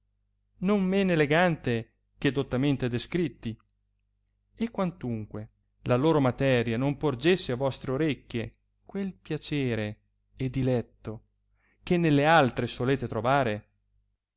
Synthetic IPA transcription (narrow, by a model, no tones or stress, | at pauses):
nommeneleɡant̪e | k̟ed̪ot̪ːament̪ed̪eskɾit̪ːi | ekːwant̪uŋkwe | laloːɾomat̪ɛɾjanompord͡ʒesːeavɔst̪ɾeoɾekːe | kwelpjat͡ʃeːɾe | ed̪ilɛt̪ːo | k̟enːelːealt̪ɾesoleːt̪et̪ɾovaːɾe